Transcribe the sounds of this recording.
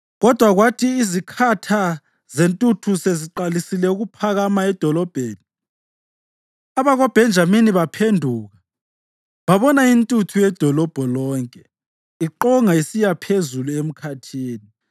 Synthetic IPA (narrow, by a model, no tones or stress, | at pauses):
ɣɔd̥ʱwaɣwatʰiːzikʰatʰa | zentʼutʰuseziǃalisilɛuɣupʰaɣamaɛd̥ʱɔlɔb̥ʱeːni | aβaɣɔb̥ʱɛnd͡ʒʱaminiβapʰendʱuːɣa | βaβɔnaintʼutʰujɛd̥ʱɔlɔb̥ʱɔlɔːŋkʼɛ | iǃɔŋaisijapʰezuluem̩kʰatʰiːni